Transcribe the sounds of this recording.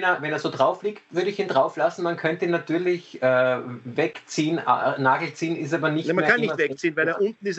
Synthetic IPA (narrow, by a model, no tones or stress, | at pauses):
nːɐvɛneːɐzoːdʁaʊfliːktv̥ʏɐɾəɪçiːndʁaʊflasn̩mankʰœntəinatyːɐlɪçʔɛvɛkt͡siːəna̰naːɡl̩t͡siːənɪs̬taːbɐnɪçtamanekʰannɪçtvɛk̚t͡siːnvæɪleːɐʊnt̪n̩ɪs